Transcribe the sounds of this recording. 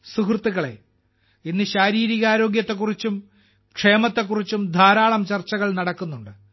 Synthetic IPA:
sukrɨt̪ːuɣɐɭe̞̰ | inːɨɕaːɾiːɾiɣɐaːɾo̞ːɡjɐt̪ːe̞k̬ːurit͡ɕːum | kʂe̞ːmɐt̪ːe̞kːurit͡ɕːumd̪ʱaːɾaːɭɐmt͡ɕɐrt͡ɕːɐɣɐɭnɐɽɐkːunːuɳɖɨ

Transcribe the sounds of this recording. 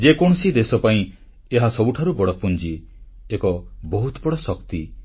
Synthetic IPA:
d͡ʒekɔɽ̃ɔsid̪esɔpaĩ | eɦasɔbuʈʰaɾubɔɽɔpund͡ʒi | ekɔbɔɦut̪bɔɽɔsɔkt̪i

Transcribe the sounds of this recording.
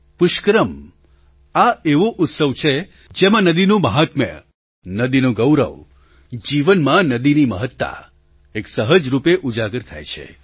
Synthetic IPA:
pʊʃkɾəm | aeʋoʔʊt̪səʋt͡ʃʰe | d͡ʒemãnəd̪inũməɦat̪mə̰ | nəd̪inũɡəwɾə̰ʋ | d͡ʒiʋənmãnəd̪inimə̰ɦət̪ːa̰ | eksəɦəd͡ʒɾupeʔud͡ʒaɡəɾt̪ʰa̰jt͡ʃʰḛ

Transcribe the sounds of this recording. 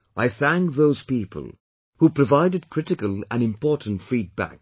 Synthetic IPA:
ʔaɪθæ̃ŋk̚ðoʊz̥pipʰə̰lˠ | hupʰɹ̥ɨvaɪdɨd̚kʰɹ̥ɪɾɨkəlˠɨ̰̃nɨ̃mpʰɔɹʔn̩tfɹid̚bæ̰k̚

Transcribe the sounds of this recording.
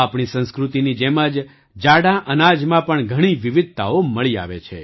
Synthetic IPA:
apɳisə̃nskɾut̪inid͡ʒɛməd͡ʒ | d͡ʒaɽaʔənad͡ʒmãpəɳɡʱəɽ̃iʋɪʋɪd̪̚ʱt̪a̰oməɭia̰ʋḛt͡ʃʰḛ

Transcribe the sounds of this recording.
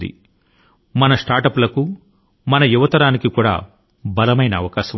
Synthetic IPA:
d̪ḭ | mɐnɐsʈaːɾʈɐplɐku | mɐnɐjuʋɐt̪ɐɾaːnikikuːɽa̰ː | bɐlɐmɐjnɐːʋɐkaːʃɐ

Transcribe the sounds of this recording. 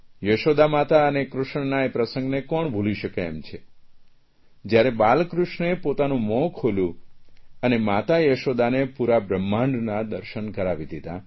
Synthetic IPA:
jəʃod̪amat̪aənekɾʊʃɳənaepɾəsə̃ŋɡnekɔɳbʱuliʃəkḛːmt͡ʃʰe | d͡ʒjaɾebalkɾʊʃnepot̪anũmɔ̃kʰoljũənemat̪ajəʃod̪anepuɾabɾəmːãɳɖnad̪əɾʃənkəɾaʋid̪ʱid̪a

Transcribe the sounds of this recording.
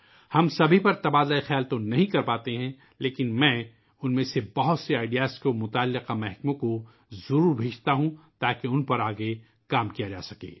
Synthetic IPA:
hɐmsɐbʱipɐɾt̪ɐbaːd̪laexjaːlt̪onɐɦĩkɐɾpaːt̪eɦɛ̃ | leːkɪnmɛ̃ː | ʊnmẽːsebɐɦʊt̪seaːɪɖijaːsʈkomʊt̪aːlːɪqamɛɦkmõko | zɐɾuːɾbʱeːd͡ʒt̪aɦũt̪aːkeʊnpɐɾaːɡe | kaːmkijad͡ʒa̰ːsɐkḛː

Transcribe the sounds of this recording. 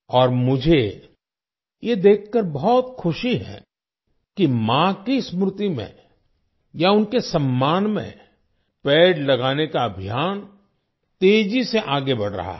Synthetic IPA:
ɔːɾmʊd͡ʒʱe | jed̪eːkʰːəɾbɔɦɔt̪xʰʊʃiɦɛ̰̃ | kimãkismɾʊt̪imḛ̃ | jaʊnkesɐmːaːnmḛ̃ | pɛːɖlɐɡaːnekaɐbʱijaːn | t̪eːd͡ʒiseʔaːɡebɐɽ̤ɾɐ̰ɦa̰

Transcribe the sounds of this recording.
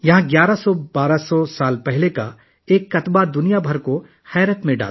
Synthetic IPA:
jɐɦãɡjaːɾasɔbaːɾasɔsaːlpɛɦleka | eːkːɐt̪bad̪ʊnijabʱɐɾko | hɛːɾət̪mẽɖa̰ːl

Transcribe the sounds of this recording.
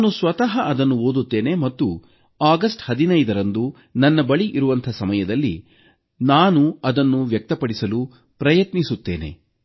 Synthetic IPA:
naːnusʋɐt̪ɐɦɐɐd̪ɐnːuoːd̪ut̪ːe̞ːne̞mɐt̪ːu | aːɡɐsʈhɐd̪inɐjd̪ɐɾɐnd̪u | nɐnːɐbɐɭiʔiɾuʋɐnt̪ʰɐsɐmɐjɐd̪ɐlːḭ | naːnuɐd̪ɐnːuʋjɐk̚t̪ɐpɐɽisɐlu | pɾɐjɐt̪nisut̪ːe̞ːne̞̰

